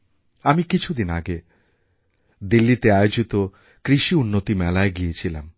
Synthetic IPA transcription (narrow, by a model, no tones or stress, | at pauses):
amikit͡ɕʰud̪ina̰ɡe | d̪ilːit̪eajod͡ʑit̪o | kɾiʃiunːot̪imɛlaeɡijet͡ɕʰilam